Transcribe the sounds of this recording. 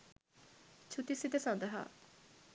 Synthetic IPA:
t͡ʃʰut̪isit̪esãnd̪aɦa̰ː

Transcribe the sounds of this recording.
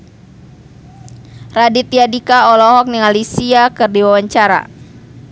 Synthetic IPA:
radit̪iadikaɔlɔɦɔk̚niŋalisiakɨrdiwawaɲt͡ʃaɾa̰

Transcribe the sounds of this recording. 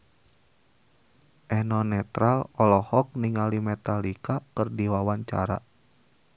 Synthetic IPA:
ʔɛnɔnɛt̪ɾalɔlɔhɔk̚niŋalimɛt̪alikakɨrdiwawaɲt͡ʃa̰ɾa̰

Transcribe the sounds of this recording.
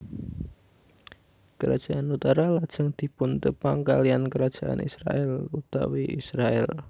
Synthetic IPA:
kəɾad̥d͡ʒ̥aʔanut̪aɾalad̥ʒ̥əŋd̪̥i̤pʊnt̪əpaŋkaliankəɾḁʒ̥aʔa̰nḭsɾa̰ʔɛlut̪a̰wiisɾaɛ̰l

